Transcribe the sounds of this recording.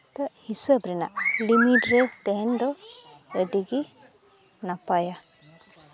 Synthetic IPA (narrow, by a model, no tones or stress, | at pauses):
t̪aʔhisəbɾɛna̰ʔlimiʈɾɛt̪ɛɦɛnd̪ɔədiɡi | napaja